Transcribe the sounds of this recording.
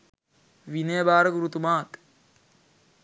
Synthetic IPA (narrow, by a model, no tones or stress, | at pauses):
ʋinejbaːɾəɡuɾut̪umaːt̪